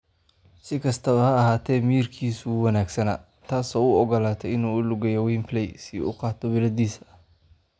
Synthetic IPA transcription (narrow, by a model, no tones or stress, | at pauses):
sɪkʰɐst̪ʰɐβɐhɐːhaːt̪ʰɛːmirkʰiːsʊwɑnaːɡsɐnɐ̰ | t̪ʰaːsɔːʊɔɣɔlaːt̪ʰɛɪnuːʊlʊɡɛjɔwiːmpʰlɛjsiːʊ̰qɑːt̪ʰɔwɪlɐd̪iːsɐ